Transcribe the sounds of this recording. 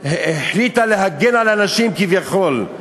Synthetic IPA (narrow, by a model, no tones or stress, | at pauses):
eħlit̪aleɦaɡenalanaʃimkivjaχo̞l